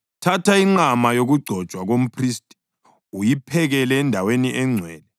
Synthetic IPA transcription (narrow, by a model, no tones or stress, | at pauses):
tʰatʰaiŋ͡ǃamajoɣuɡ͡ǀʱɔ̥t͡ʃʼwaɣom̩pʰristʼi̥ | ujipʰɛɣɛlɛːndʱaweniʔɛŋ͡ǀʱwɛːlɛ